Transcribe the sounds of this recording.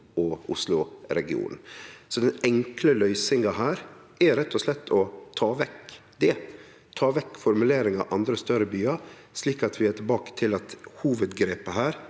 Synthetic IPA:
ɔʔʊslʊɾɛɡɪṵːnsɔd̪ɛnɛŋkləlœʏsɪŋɑɦæːɾʔɛɾɛt̪ʰːɔslɛt̪ʰːɔt̪ʰɑːʋɛk | d̪ɛ | t̪ʰɑːʋɛkːfɔɾmʉleːɾɪŋɑ̰ʔɑnd̪ɾəst̪œɾəbyːɑ | sliːkɑt̪ʰʋɪæʈʰɪlbɑːkə̥t̪ʰɪlɑt̪huːʋəd̪ɡɾeːpəɦæːɾ

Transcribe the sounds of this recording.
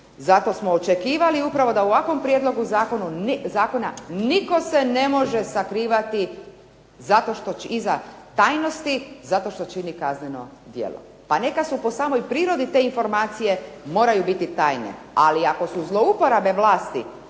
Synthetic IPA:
zat̪o̞smoːt͡ʃe̞kiːʋaliupɾaʋo̞d̪auʋakʋo̞mpɾje̞d̪lˠo̞ɡuzaːko̞nuzaːko̞na̰niko̞se̞ne̞mo̞ʒesakɾiːʋat̪i | zat̪o̞ʃt̪o̞izat̪aːjno̞st̪izat̪o̞ʃt̪o̞t͡ʃinikazneno̞̰ | d̪jḛlo̰ | pane̞kasupo̞saːmo̞jpɾiːɾo̞d̪it̪e̞ːinfo̞ɾmaːt̪sije̞mo̞ːɾajubit̪it̪aːjnḛ | aliako̞suzlˠo̞upo̞ɾabe̞ʋlaːst̪ḭ

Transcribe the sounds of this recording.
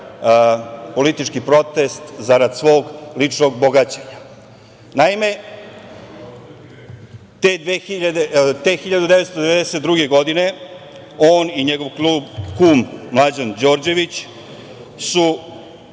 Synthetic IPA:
po̞lit̪it͡ʃkipɾo̞t̪est̪zaɾad̪sʋo̞ːɡlit͡ʂnoɡboɡat͡ɕeɲa | naime̞ | t̪ed̪exiʎad̪et̪exiʎad̪ud̪eet̪st̪od̪eʋed̪ɛset̪̚d̪ɾuɡe̞ɡo̞d̪ine̞ | oːniɲeɡo̞ʋklubkumːlˠad͡ʑand͡ʑo̞ːɾd͡ʑe̞ʋit͡ɕ | su

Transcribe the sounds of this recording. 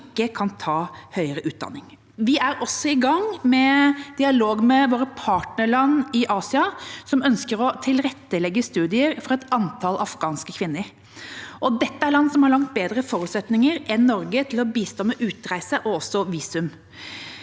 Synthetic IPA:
kːəkʰɑnt̪ʰɑːhœʏəɾəʔʉːt̪̚d̪ɑ̰nːɪŋ | ʋɪʔæɾɔsɔɪɡɑŋmɛd̪̥ɪɑloːɡmɛʋoːɾəpʰɑːʈnəɭɑnːɪʔɑːsɪɑsɔmœnskəɾɔt̪ʰɪlɾɛt̪ːəlɛɡːəst̪ʉːd̪ɪəɾfɔɾɛt̪ɑnt̪ʰɑlʔɑfɡɑːnskəkʰʋɪnːəɾ | ʔɔd̪ɛt̪ːəæɾɭɑnːsɔmhɑɾɭɑŋkt̪̚beːd̪ɾəfɔɾʉːt̪sɛt̪nɪŋəɾɛnːɔɾɡət̪ʰɪlɔbiːst̪ɔmːəʔʉːt̪ɾæɪsəʔɔɔsːɔʋiːsʉm

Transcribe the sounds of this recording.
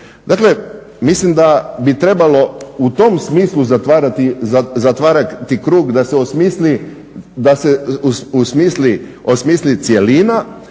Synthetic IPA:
d̪akle̞ | mislimd̪abit̪ɾe̞balo̞ut̪o̞msmiːslˠuzat̪ʋaːɾat̪iazat̪ʋaːɾakt̪ikɾuːɡd̪aseosmiːsli | d̪aseusmiːsliosmiːslit̪sjelina

